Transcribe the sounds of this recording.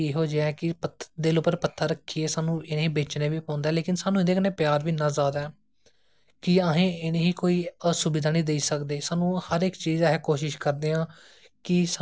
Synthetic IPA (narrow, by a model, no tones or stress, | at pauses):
eːɦoːd͡ʒɛːkɪpət̪ʰːd̪eːlʊpːəɾpət̪ʰːaːɾəkʰːiːeːsaːnũːɪnẽːɦiːbeːt͡ʃneːʋiːpɔ̃ːnd̪aɛːleːkɪnsaːnũːɪd̪eːkəneːpjaːɾʋiːnãːzaːd̪aː | kɪəɦẽːɪneːɦiːkoːiːsʊbɪd̪aːnĩːd̪eiːsəkd̪eːsaːnũːhəɾɪkt͡ʃiːzɦɛ̃ːkoːʃɪʃkəɾd̪eːãː | kɪs